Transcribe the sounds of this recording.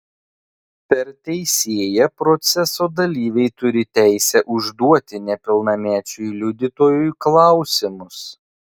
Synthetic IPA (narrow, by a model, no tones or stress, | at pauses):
pʲɛɾt̪ʲɛɪsʲeːjɛpɾɔt̪sʲɛsoːd̪ɐlʲiːʋʲɛɪt̪ʊɾʲɪt̪ʲæˑɪsʲɛʔʊʒd̪uɔt̪ʲɪnʲɛpʲɪlˠnɐmʲæːt͡ʃʲʊjlʲʊd̪ʲɪt̪oːjʊjklˠɑˑʊsʲɪmʊs